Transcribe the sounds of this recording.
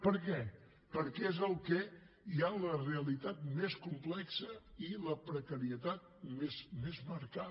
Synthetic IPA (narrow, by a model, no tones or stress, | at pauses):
pəɾkɛ | pəɾkɛezəlˠkɛ | ialəreəlit̪at̪̚meskumplɛksəiləpɾəkəɾiət̪at̪̚mezmezməɾka